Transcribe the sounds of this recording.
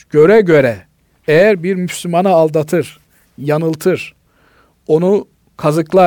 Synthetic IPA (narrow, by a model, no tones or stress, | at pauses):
ɟ̥ø̞ɾɛɟø̞ɾɛ | ejæɾbiɾmyslʲymanɯːlˠd̪at̪ʰɯɾ̥ | janɯlˠt̪ʰɯɾ̥ | o̞nu | kʰazɯklˠa